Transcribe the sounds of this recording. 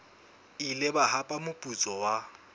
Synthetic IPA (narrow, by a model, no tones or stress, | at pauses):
ilɪbahapʼamʊpʼut͡sʼɔwa